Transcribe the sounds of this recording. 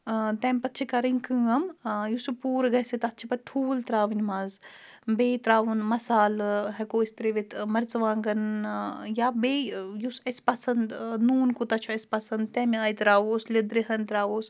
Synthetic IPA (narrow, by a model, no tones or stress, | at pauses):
t̪ɛ̃ːmʲpɐt̪ːt͡ʃʰikɐɾinʲkɨŋɡɐmjusupuːɾɡɐsit̪ɐt̪ːt͡ʃʰipɐʈʰuːlt̪ɾaːʋinʲmaːz | beːt̪ɾaːʋunmɐsaːlɦɐkoːist̪ɾeʋit̪ʰmɐɾt͡sʋãːŋɡɐn | jaːbeːjusɐspɐsɐnd̪nuːnkut̪ɐt͡ʃʰuɐspɐsɐnd̪t̪ɛːmiaːjt̪ɾaːʋoːslʲid̪ɾiɦɐnt̪ɾaːʋoːs